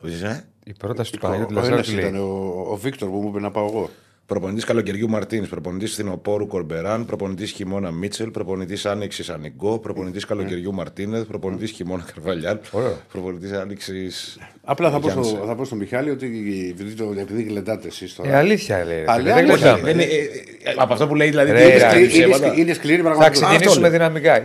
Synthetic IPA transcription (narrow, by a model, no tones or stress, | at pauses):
se | ipɾot̪ɐsi̥t̪upɐuɐsit̪ɐneoːvikt̪oɾpumuipenɐpɐoeɣo̞ | pɾo̞ponit̪iskɐlo̞ce̞ɾʝumɐɾt̪inespɾo̞po̞nit̪isfθino̞po̞ɾuko̞ɾbe̞ɾɐnpɾo̞po̞nit̪isçimo̞nɐmit͡selpɾo̞po̞nit̪isɐniksisɐniɡo̞pɾo̞po̞nit̪iskɐlo̞ce̞ɾʝumɐɾt̪inespɾo̞po̞nit̪isçimo̞nɐkɐɾvɐʎɐnoɾepɾo̞ponit̪isɐniksis | ɐplɐθɐpoɐsoθɐpost̪omiçɐliot̪ipiit̪oepiðiɣled̪ɐt̪esist̪oɐliθçɐlḛɐleɣleɐðen | ɐpoɐft̪opule̞iðilɐðiiiɐd̪ineskliɾipɾɐɣmɐɐtksinisomeðinɐmikɐ